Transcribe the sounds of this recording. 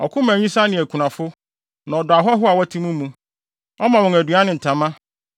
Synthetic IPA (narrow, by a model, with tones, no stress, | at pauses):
ɔ̰˨kʰʊ̃˦mæ̃˨ɲĩ˦sa˦nɪ̃˨æ˨kʰu˨nã˨fʊ˦ | nã˨ɔ˨dʊ˨a˨ɦɔ˦ɦʊ˦a˨wɔ˦tʰĩ˦mũ˦mːũ˦ | ɔ˦mã˨wɔ̃˨næ˨du˨a˦nɪ̃˨n̩˨tʰã˨mã˦